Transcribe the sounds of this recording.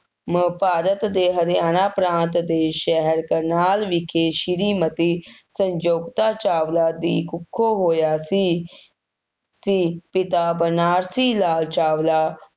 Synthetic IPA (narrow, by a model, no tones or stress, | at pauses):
məpaːɾət̪d̪eːɦəd̪jaːnaːpɾãːnt̪d̪eːʃɛɦəɾkəɾnaːlʋɪkʰeːʃɪɾiːmət̪iːsəɲd͡ʒoːɡt̪aːt͡ʃaːʋlaːd̪iːkʊkʰːoːɦoːjaːsiː | siːpɪt̪aːbənaːɾsiːlaːlt͡ʃaːʋlaː